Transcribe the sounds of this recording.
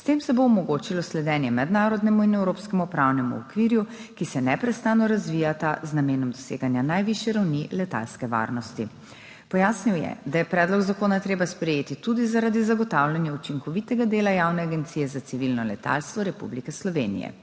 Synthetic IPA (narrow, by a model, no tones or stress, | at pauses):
st̪eːmsɛboɔmɔɡoːt͡ʃilɔslɛd̪ɛːnjɛmɛd̪naːɾɔd̪nɛmuinɛwɾoːpskɛmupɾawnɛmṵɔ̰kʋiɾjukisɛnɛpɾɛst̪aːnɔɾazʋiːjat̪aznameːnɔmd̪ɔsḛːɡanjanajʋiʃjɛɾawnilɛt̪a̰lskɛʋa̰ːɾnɔst̪i | pɔjaːsniwjɛ̰d̪ajɛpɾɛːd̪lɔɡzakoːnat̪ɾeːbaspɾɛjeːt̪it̪ud̪izaɾad̪izaɡɔt̪awljanjaut͡ʃiŋkɔʋit̪ɛɡad̪eːlajawnɛaɡɛnt̪siːjɛzat̪siʋilnɔlɛt̪a̰lst̪ʋɔɾɛpṵblikɛslɔʋeːnḭjɛ̰